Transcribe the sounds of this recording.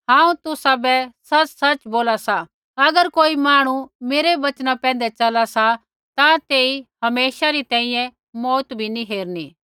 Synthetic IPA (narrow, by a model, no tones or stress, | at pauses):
ɦãːũt̪ʊsabɛsɐt͡ʃsɐt͡ʃboːlasa | ɐɡəɾkoːimaːɽ̃umeːɾeʋɐt͡ʃnapɛ̃ːn̆d̪ɛt͡ʃɐlasa | t̪ãt̪eːihɐmeːʃaɾit̪ɛ̃ːĩjɛ̃ | mɔːt̪bʱiniɦeːɾniː